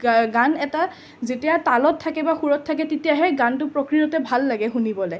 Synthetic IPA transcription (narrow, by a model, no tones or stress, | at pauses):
ɡanɛta | zetijatalɔtʰːakɛbaxuɹɔtʰːakɛtetijaɦɛɡantʊpɹɔkɹijɔtɛbʱalːaɡɛxunibɔlaj